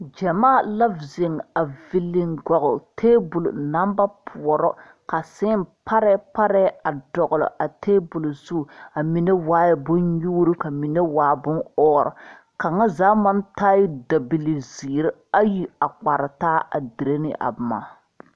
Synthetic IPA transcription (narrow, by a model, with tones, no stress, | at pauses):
d͡ʒɛ˨maː˦˨la˦vze˨ŋa˨vi˨lːɪ˨ŋɡɔ˨ɣʊ˨tʰeː˦bʊ˨lu˨na˦mba˦pʰʊ˨ɔ˨ɾɔ˦ | ka˨sɪ˦mpa˦ɾɛ˦pa˦ɾɛ˦a˨dɔ˨ɣʊ˨lɔ̰˨ʔa˨teː˦bʊ˨lʊ˨zu˦˨a˨mi˨ne˦waː˦jɛ˦bʊ˦nɲuː˦ɾu˦ka˨mi˨ne˦waː˨˦bʊ˦nɔː˦˨ɾɔ̰˨ | ka˨ŋa˦zaː˨˦ma˦nta˦ji˦da˨bi˨li˨ziː˨ɾɪ˦ | a˦ji˦a˨k͡pa˨ɾɪ˨taː˦a˨di˨ɾe˦nɪ̰˦ʔa̰˨bʊ˨ma̰ː˨˦